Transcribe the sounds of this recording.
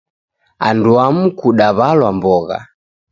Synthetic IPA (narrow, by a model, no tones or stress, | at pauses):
anduam̩kuɗaβalwambɔɣa̰